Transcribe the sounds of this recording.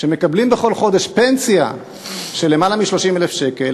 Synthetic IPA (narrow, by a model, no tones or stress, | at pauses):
ʃeme̞kablimbeχo̞lχo̞de̞ʃpe̞nsija̰ | ʃe̞lemalamiʃlo̞ʃimelefʃe̞ke̞l